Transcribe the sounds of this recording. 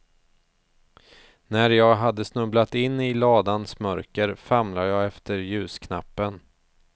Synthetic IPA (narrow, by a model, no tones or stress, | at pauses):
næɾjɑːɡɦad̪ːəsnɵblat̪ɪnːɪlɑːd̪ansmœɾkəɾfamlajɑːɛft̪ʰəɾjʉ̟ːskʰna̰pːən